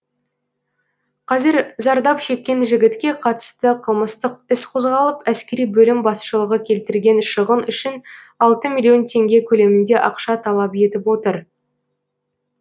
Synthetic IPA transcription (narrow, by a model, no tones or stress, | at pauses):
qʰɑzɪɾzɑɾd̪ɑpʃe̞kʲːe̞nʒɪɡʲɪt̪kʲe̞qʰɑt̪ə̥st̪əqʰəlˠməst̪əq̚ɪsqʰo̞zʁɑlˠəpæskʲeɾijbɵlɪmbɑsʃəlˠəʁəkʲʰe̞lt̪ɪɾɡʲe̞nʃəʁənʏʃɪn | ɑlˠt̪əmilʲijo̞nt̪ʰe̞ŋɡʲe̞kʲʰɵle̞mɪnd̪e̞ʔɑqʃɑt̪ʰɑlˠɑpje̞t̪ɪpwo̞t̪əɾ